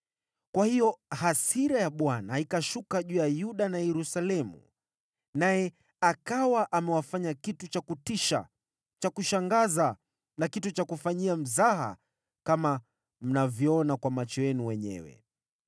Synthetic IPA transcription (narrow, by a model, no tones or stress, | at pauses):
kwahijɔhasiɾajaɓwanaikaʃukaʄuːjajuɗanajɛɾusalɛmṵ | najɛ | akawaʔamɛwafaɲakitut͡ʃakutiʃa̰ | t͡ʃakuʃaŋɡaza | nakitut͡ʃakufaɲiam̩zaɦa̰ | kama | m̩navjɔɔnakwamat͡ʃɔjɛnuwɛɲɛ̰wɛ̰